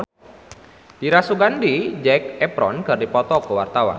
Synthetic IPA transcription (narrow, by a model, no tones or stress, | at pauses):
d̥iɾasuɡandid͡ʒɛk̚ɛpɾɔnɡardipɔt̪ɔkəwart̪awa̰n